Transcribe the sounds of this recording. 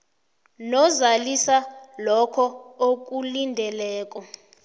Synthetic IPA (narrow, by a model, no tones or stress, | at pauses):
nɔzalisalɔkʰɔok̬ʼulindʱɛlɛːk̬ʼɔ